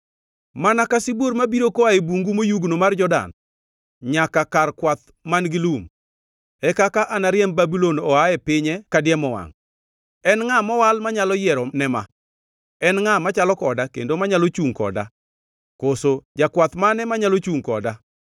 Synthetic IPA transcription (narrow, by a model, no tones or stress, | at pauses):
manakasiboɾmabiɾokoaebuŋɡumojuɡnomard͡ʒɔda̰n | ɲakakarkwat̪ | manɡɪlum | ɛkakaʔanaɾjɛmbabilonɔaɛpɪɲɛkadɪjɛmɔwa̰ŋ | ɛnŋamɔwalmaɲalɔjɪɛɾɔnɛma̰ | ɛnŋamat͡ʃalɔkɔdakḛndomaɲalot͡ʃuŋkɔ̰da̰ | kosod͡ʒakwat̪manɛmaɲalot͡ʃuŋkɔ̰da